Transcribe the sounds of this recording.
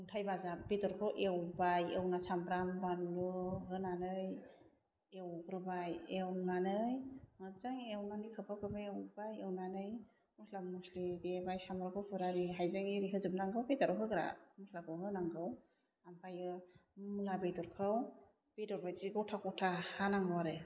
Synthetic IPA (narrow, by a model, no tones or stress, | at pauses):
uŋtʰajbazabedɔɾkʰɯwʔewbajewnasʰambɾambanːuɦɯnanɯj | ewɡɾɯbajewnanɯjmɯzaŋewnanɯjkʰɯpʰakʰɯbewbajewnanɯj | mɔslamuslidebajsambɾakʰɯwpʰɯɾaɾiɦajzaŋiɾiɦɯzɯbnaŋɡɯwbedaɾɔɦɯɡɾa̰mɔslakɯwɦɯnaŋɡɯw | ampʰajɯmlabejdɔɾkʰɯw | b̥edɔɾbajziɡawtʰakɔtʰahanaŋɡwaɾɯ